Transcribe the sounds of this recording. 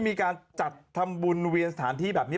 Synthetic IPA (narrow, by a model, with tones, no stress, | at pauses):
miː˧kaː˧nt͡ɕa˨˩t̪ʰːa˧mbu˧nwi˧ənsa˧t̪ʰaː˩˦nt̪ʰiː˥˩bɛː˨˩p̚ni˦˥˩